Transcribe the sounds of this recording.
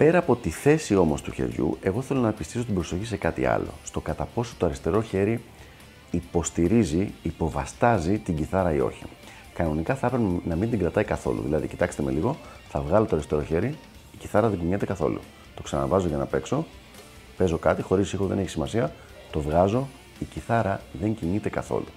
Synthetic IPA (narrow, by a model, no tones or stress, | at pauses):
pe̞ɾɐːpo̞t̪iθe̞sio̞mo̞st̪uçe̞̰ɾʝṵe̞ɣo̞θe̞lo̞nɐepist̪iso̞t̪̬ibɾo̞so̞çise̞kɐt̪ḭɐ̰lo̞̰st̪o̞kɐt̪ɐpo̞so̞̥t̪oɐɾist̪e̞ɾo̞çe̞ɾi | ipo̞st̪iɾiziipo̞vɐst̪ɐzit̪iɲɟiθɐɾɐio̞̰çḭ | kɐno̞nikɐθɐpɾemnɐmind̪iŋɡɾɐt̪ɐikɐθo̞̰lṵðilɐðicit̪ɐkst̪eme̞liɣo̞ | θɐvɣɐlo̞t̪oɐɾist̪e̞ɾo̞çe̞ɾiː | ciθɐɾɐðeɲɟiɲet̪e̞kɐθo̞̰lṵ | t̪o̞ksɐ̰nɐ̰vɐzo̞ʝɐnɐpe̞kso̞ | pe̞zo̞kɐt̪ixo̞ɾisixo̞ðe̞ne̞çi̥simɐsiɐ | t̪o̞vɣɐzo̞ | iciθɐɾɐðe̞ɲciɲit̪ekɐθo̞̰lu